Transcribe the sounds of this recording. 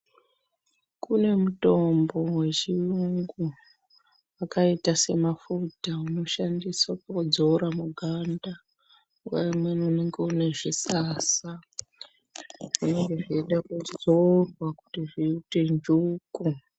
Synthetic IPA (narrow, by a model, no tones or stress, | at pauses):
kune̞muto̞mbo̞we̞ʒiruŋɡu | akaitase̞mafutauno̞ʃandiswakaud͡zoɾamuɡʱanda | ɡwaimwenune̞ŋɡeune̞ʐisaːsa | une̞ŋɡe̞ʐieɗakud͡zorwaku̥tiʐiite̞nd͡ʒuːku